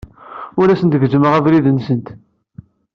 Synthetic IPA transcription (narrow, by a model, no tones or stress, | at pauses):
ʊɾæsənt̪əvʒəməʁævɾiðənsənt̪